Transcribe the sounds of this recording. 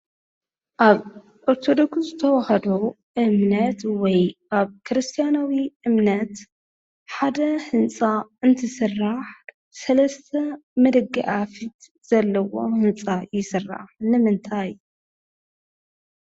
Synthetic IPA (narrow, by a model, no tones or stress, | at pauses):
ʔaβ | ʔoɾt̪ʰo̞d̪o̞kszɨt̪ʰɐwɐhɐd̪o | ʔɨmnɐt̪wɔjʔaβkʰɨɾɨst̪ʰijanawiʔɨmnɐt̪ | ħad̪ɐhɨnt͡sʼaɨnt̪ʰɨsɨrːaħ | sɐlɐst̪ʰɐmɐd̪ɨɡiʔafit̪ | z̥ɐlːɐwo̞̰hɨnt͡sʼajɪsɨrːa̰ħnɨmɨnt̪ʰaj